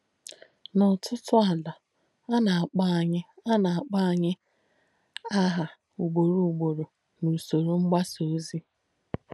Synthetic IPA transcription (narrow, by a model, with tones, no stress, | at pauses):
nɔ˨tʰʊ˦tʊ˦a˨la˨ | a˦na˨a˨k͡pa˦˨ɲɪ˦a˦na˨a˨k͡pa˦˨ɲɪ˦ | a˦ɦa˨ | u˨ɡ͡bo˨ɾu˨ɡ͡bo˨ɾo˨ | nu˨so˨ɾo˨ŋ͡m̩˦ɡ͡ba˦so˨˦zi˦